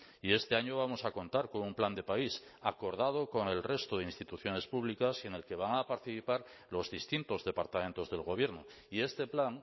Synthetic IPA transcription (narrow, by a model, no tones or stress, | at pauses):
ie̞st̪e̞aɲoβ̞amo̞sako̞nt̪aɾkonumpland̪e̞paisako̞ɾð̞að̞o̞ko̞ŋe̞lre̞st̪oð̞einst̪it̪uθjo̞ne̞spuβlikasene̞lke̞β̞aŋapaɾt̪iθipaɾ | lo̞zðist̪int̪o̞zðe̞paɾt̪ament̪o̞zðe̞lɣo̞β̞je̞ɾno | ie̞st̪e̞plaŋ